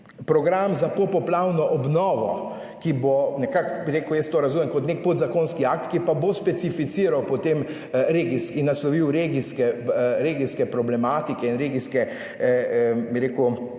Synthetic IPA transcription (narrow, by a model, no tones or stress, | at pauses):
pɾɔɡɾamzapopɔplawnɔʔɔbnɔːʋɔ̰ | kibonɛkakbiɾeːkujɛst̪oːɾɐzumɛmkɔt̪nek̚pod̪zakoːnskiakt̪kipabospɛt̪sifit̪siːɾawpɔt̪em | ɾeːɡiskinːaslɔʋiwɾeɡiskɛɾeɡiskɛpɾɔblɛmaːt̪ikɛinɾeɡiskɛ | biɾeːku